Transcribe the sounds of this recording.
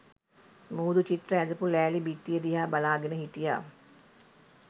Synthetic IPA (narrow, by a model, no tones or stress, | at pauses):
muːd̪ut͡ʃit̪ɾəæd̪əpulæːlibit̪ːijəd̪iɦaːbalaːɡenəɦiʈija̰ː